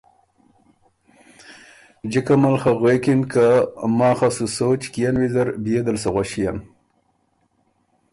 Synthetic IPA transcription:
d͡ʒikamalxaɣwekinkamaːxasusot͡ʃkijanwizaɾbijed̪alsaɣwaɕijan

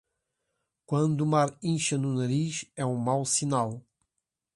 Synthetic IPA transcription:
kwɐ̃nd̪umaɾĩʃɐnunɐɾiʃɛũmawsinalˠ

